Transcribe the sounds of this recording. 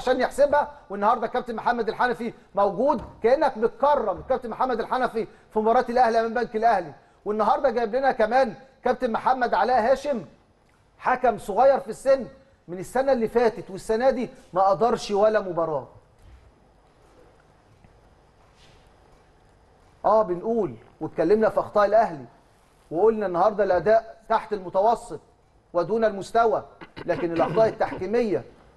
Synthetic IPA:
aʃæːnjeħsebhæwenːɑhɑːɾˤd̪ˤɑkæb̚t̪emoħamːæd̪elħanæfi | mæwɡuːd̪kæʔenːæk̚bet̪̚kɑrˤːɑmkæbt̪emoħamːæd̪elħanæfi | fimobɑːɾˤɑːt̪elʔæhliʔæmæmbæŋkelʔæhli | wenːɑɦɑɾˤd̪ˤɑɡæːblenækæmæːnkæb̚t̪emoħamːæd̪ʕalæːɦæːʃem | ħakæmsˤoɣɑjːɑɾˤfisːenː | menesːænæʔlːifæːt̪et̪wesːænæːd̪imæʔɑʔd̪ˤɑɾˤʃwælːæmʊbɑɾˤɑː | ʔæːbɪnʔuːl | wet̪kælːemnæfiʔɑxt̪ˤɑːʔelʔæhli | weʔolnænːɑhɑɾˤd̪ˤɑlʔæd̪æːʔt̪aħt̪ælmʊt̪ɑwɑsˤːet̪̚ˤ | wæd̪uːnælmʊst̪æwælæːkɪnelʔɑxt̪ˤɑːʔet̪ːaħkiːmejːæ

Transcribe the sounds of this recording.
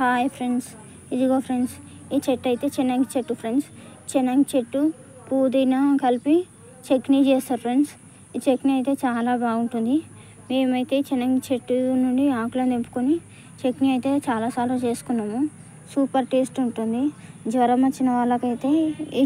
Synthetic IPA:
haːjpʰɾeɳɖs | id͡ʒiɡoːpʰɾeɳɖs | iːt͡ʃeʈːɐjt̪e̞ːt͡ʃinːɐŋkit͡ʃeʈːupʰɾeɳɖs | t͡ʃinːɐŋɡt͡ʃeʈːu | kuːd̪ɐjnakɐlpi | t͡ʃeknid͡ʒeːsɐpʰɾeɳɖs | iːt͡ʃekniɐjt̪e̞ːt͡ʃaːlaːbaːuɳʈund̪i | meːmɐjit̪e̞ːt͡ʃinɐŋɡt͡ʃeʈːunuɳɖiaːklɐnd̪empu̥koni | t͡ʃekniɐjit̪e̞ːt͡ʃaːlaːsaːlɾut͡ʃeːsu̥kunːaːmu | suːpɐɾʈeːsʈuɳʈund̪id͡ʒʋɐɾɐmɐt͡ʃːinɐʋaːlːɐkɐjt̪e̞ːi

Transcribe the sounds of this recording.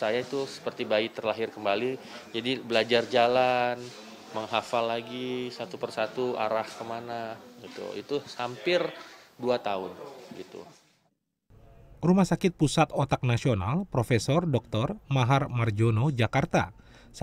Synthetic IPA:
sajait̪usə̥pərt̪ibaɪt̪ːərlaɦɪrkəmbali | d͡ʒadibəlad͡ʒard͡ʒalan | məŋɦafalːaɡisat̪upərsat̪ua̰ɾahkəmanaɡit̪ṵḭt̪usampɪrduat̪aʊnɡit̪ṵ | rumahsakɪt̪̚pusat̪ot̪ak̚nasiona̰lpɾofesɔrdɔk̚t̪ɔrmaɦarmard͡ʒonod͡ʒakart̪a̰ | s

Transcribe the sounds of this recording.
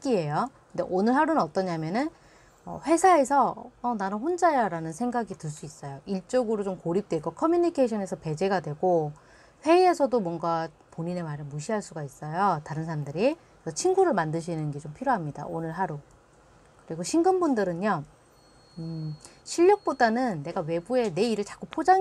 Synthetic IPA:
k͈iɦe̞jokɯnde̞̰ʔonɯɭɦaɾunɯnʌt͈ʌɲamjʌnɯn | ʌ̰ɸwe̞sʰae̞sʰʌːnanɯnɸond͡ʑajaɾanɯnsʰe̞ŋɡaɡitɯɭs͈uis͈ʌjoiɭt͡ɕ͈ʌɡɯɾot͡ɕomkoɾip̚t͈we̞kokʰʌmjuɲikʰeɕʰʌne̞sʰʌpe̞d͡ʑe̞ɡadwe̞ɡo | ɸwe̞ie̞sʰʌdomwʌŋɡa | poɲine̞maɾɯɭmuɕʰiɦaɭs͈uɡais͈ʌjotaɾɯnsʰaɾamdɯɾi | sʰʌt͡ɕʰiŋɡuɾɯɭmandɯɕ̬ʰinɯnɡe̞t͡ɕompʰiɾjoɦamɲida̰onɯɭɦaɾo | kɯɾiɡoɕʰiŋɡɯmbundɯɾɯnɲʌ | ɕʰiʎːʌk̚p͈odanɯnːe̞ɡawe̞bue̞ne̞iɾɯɭt͡ɕḁk͈upʰod͡ʑa

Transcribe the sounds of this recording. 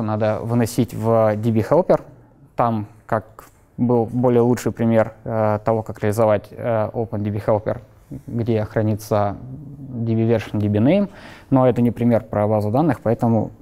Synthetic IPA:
nad̪əvɨnɐsʲitʲvdʲibʲixalˠpʲɪr | t̪am | kak | bɨlˠbo̞lʲɪjəlˠut͡ʂʂɨjpɾʲɪmʲe̞rt̪ɐvo̞kakɾʲɪəlʲɪzɐvatʲəopəndʲɪbʲixelˠpʲɪ̰r | ɡdʲe̞xɾɐnʲit̪sə | dʲɪbʲɪvʲerʂɨndʲɪbʲɪnɨjmno̞ɛt̪ənʲɪpɾʲɪmʲe̞rpɾəbazʊd̪anːɨxpɐɛt̪əmʊ̰

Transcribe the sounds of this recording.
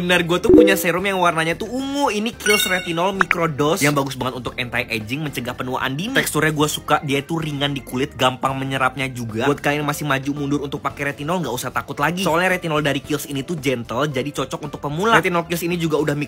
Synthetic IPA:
bənərɡuat̪upuɲasɛɾʊmjaŋwarnaɲat̪uuŋʊinikɪlsrɛt̪inɔlmikɾodɔsjaŋbaɡʊsbaŋət̪unt̪ʊk̚ɛnt̪ajʔed͡ʒɪŋməɲt͡ʃəɡahpənua̰ʔa̰ndint̪ɛkst̪uɾɲaɡuasukadiait̪uriŋandikulɪt̪̚ɡampaŋməɲəɾap̚ɲad͡ʒuɡaat̪̚kaliŋmasɪhmad͡ʒumundʊɾunt̪ʊk̚pakɛɾɛt̪inɔlŋɡausaht̪akʊt̪laɡisɔalɲaɾɛt̪inɔldaɾikɪlsinit̪ud͡ʒɛnt̪əld͡ʒadit͡ʃɔt͡ʃɔk̚unt̪ʊk̚pəmulaɛt̪inɔlkɪlsinid͡ʒuɡaudahmi

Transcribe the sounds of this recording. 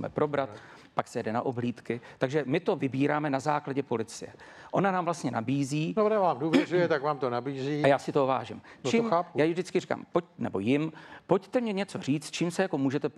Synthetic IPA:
mɛ̰pɾo̞bɾat̪ | paksɛjɛdɛna̰ʔobliːt̪kɪt̪aɡʒɛmɪt̪o̞vɪbiːɾaːmɛnazaːklaɟɛpo̞lɪt͡sɪjɛʔo̞nanaːmvlast̪ɲɛnabiːziːnoonavaːmduːvɛzujɛt̪akvaːmt̪onabiːziːajaːsɪt̪oova̰ːʒɪmt͡ʃimaːpuaːjɪvdɪt͡skɪrika̰ːmpoc̚nɛbo̞jɪmpo̞ct̪ɛmɲɛɲɛt͡so̞riːt͡st̪̚t͡ʃiːmsɛjako̞muːʒɛt̪ɛ

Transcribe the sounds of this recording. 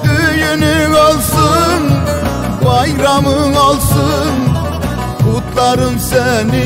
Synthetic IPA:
t̪ʰɵjɪnɪŋɒlˠsən | bɑjɾɑməŋɒlˠsənʰ | ot̪lˠɑɾənsænɪ

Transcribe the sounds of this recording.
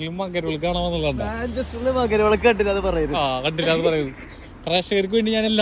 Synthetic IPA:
limːaːk̬ːɐɾuɭk̬ːaːɳɐːmenːuɭːɐɳɨnd̪esulimaːk̬ːɐɾʋɐɭɐk̬ʲːɨkɐɳɖilɐɐðɨpɐrɐjɐðɨaːkɐɳɖilaɐðɨpɐrɐjɐðɨ | preːʂɐkɐɾik̬ʲːuʋeɳɖɨɲaːnelːaː

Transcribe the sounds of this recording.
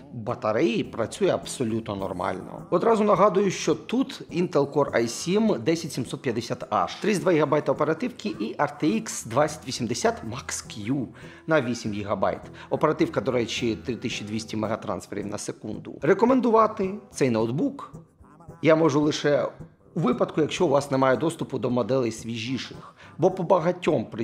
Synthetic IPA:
bɐt̪ɐɾɪjipɾɐt͡sʲujɛɐbsɔlʲut̪nɔnɔ̰rmɑ̰lʲnɔ̰ɔd̪ɾɑzʊnɐɦɑd̪ʊjʊʃt͡ʃɔt̪ut̪int̪elˠkɔrɐ̰jsʲimd̪ɛsʲɐtʲsʲimsɔt̪pjɐd̪esʲat̪ɑ̰ʃt̪ɾɪd̪ʋajiɦɐbɑjt̪ɐɔpeɾɐt̪ɪwkɪʔiʔɐrt̪eiksd̪ʋat͡sʲɐ̥tʲʋʲisʲimd̪esʲat̪mɑkskju | nɐʋʲisʲimjiɦɐbɑ̰jt̪ | ɔpeɾɐt̪ɪwkɐd̪ɔɾɛt͡ʃit̪ɾɪt̪ɪsʲit͡ʃid̪ʋʲisʲtʲimeɦɐt̪ɾɑ̰nsfeɾʲḭwnɐ̰sekṵnd̪ʊ̰rekɔmend̪ʊʋɑt̪ɪt̪sɛjnowd̪buk | jamɔʐʊlˠɪʃɛ | uʋɪpɐd̪kʊjɐkʃt͡ʃɔʊʋɑsnemɑjɛd̪ɔst̪ʊpʊd̪ɔmɔd̪ɛlˠɛjsʲʋʲiʒʲiʃɪxbɔpɔbɐɦɐtʲːɔmpɾɪ

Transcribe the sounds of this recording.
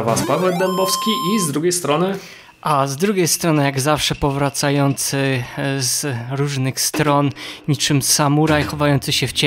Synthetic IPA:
avaspavɛd̪ɛmbɔfskʲiʔizd̪ɾuɡʲejst̪ɾɔnɘ | ʔazd̪ɾuɡʲejst̪ɾɔnɘjaɡzafʂɛpɔvɾat̪sajɔnt̪sɘzɾuʐnɘxst̪ɾɔnɲit͡ʂɘmsamuɾajxɔvajɔnt̪sɘɕɛft͡ɕ

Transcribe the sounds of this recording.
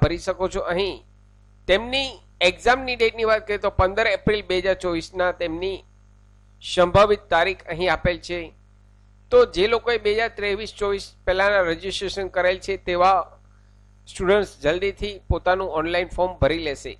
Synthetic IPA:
bʱəɾiʃəkot͡ʃʰoʔəɦĩ | t̪emni | eɡzamniɖeʈniʋat̪̚kəɾjet̪opənd̪əɾepɾilbeɦəd͡ʒaɾt͡ʃɔʋisnat̪emni | ʃəmbʱəʋit̪ːaɾikʰəɦĩapelt͡ʃʰe | t̪od͡ʒelokoebeɦəd͡ʒaɾt̪ɾeʋist͡ʃɔʋispɛlanaɾed͡ʒisʈɾeʃənkəɾelt͡ʃʰet̪eʋa | sʈuɽəɳʈsd͡ʒəld̪it̪ʰipot̪anũɔnlainfɔɾmbʱəɾileʃḛ

